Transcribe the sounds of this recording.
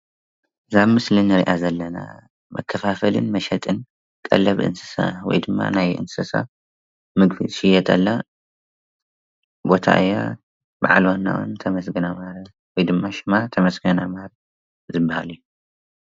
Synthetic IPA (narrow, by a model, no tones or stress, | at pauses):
zaβmɨslinɨɾiʔazɐlːɐna̰ | mɐ̰kʰːɐfafɐlɨ̰nmɐʃɐt̪ʼɨn | kʼɐ̰lːɐβʔɨ̰nsɨ̥sa̰wɔ̰jd̪ɨmːa̰najʔɨ̰nsɐsa̰ | mɨɡfḭʃɪjɛt̪ʼɐlːa | bo̞t̪ʰa̰ʔɨja | baʕalwanːa̰ʔṵnt̪ʰɐmɐsɡɨnamaɾɐ | wɔjd̪ɨmːaʃɪmat̪ʰɐmɐsɡɐnamaɾɐ | zɨbːaha̰lijːu